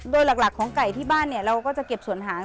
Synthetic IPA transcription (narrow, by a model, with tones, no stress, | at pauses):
doː˧jla˨˩k̚la˨˩kʰːɔː˩˦ŋka˨˩jt̪ʰiː˥˩baː˥˩nːi˥˩ɐɾa˧wkɔː˥˩t͡ɕa˨˩ke˨˩p̚su˨˩˦ənɦaː˩˦